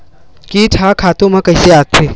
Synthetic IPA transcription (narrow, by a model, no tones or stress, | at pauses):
kiːʈʰakʰaːt̪õmãkəjseat̪ʰːi